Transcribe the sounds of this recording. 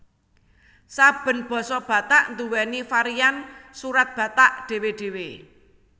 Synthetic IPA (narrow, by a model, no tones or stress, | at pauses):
sab̥ə̤nb̥ɔ̤sɔb̥ä̤t̪aʔnd̪uwɛnifaɾiansuɾat̪̚b̥ä̤t̪aʔɖ̥e̤weɖ̥e̤we